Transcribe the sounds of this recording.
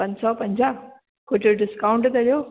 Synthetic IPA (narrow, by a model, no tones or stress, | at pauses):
ɐ̃ɲsɔpɐ̃ɲd͡ʑaː | koːd͡ʑoɖɪskaːʊ̃ɳʈt̪ɐɗjoː